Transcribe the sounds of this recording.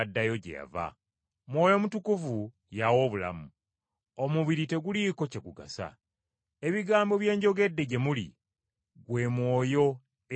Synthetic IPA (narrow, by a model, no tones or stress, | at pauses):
dːajo̞ɟḛja̰va̰ | mwo̞ːjo̞mutukuvu | jawo̞ːβula̰mu | omuβiɾite̞ɡuliko̞ce̞ɡuɡa̰sa̰ | e̞βiɡaːmbo̞βje̞ːɲɟo̞ɡe̞dːe̞ɟe̞mulḭ | ɡwe̞mwo̞ːjo̞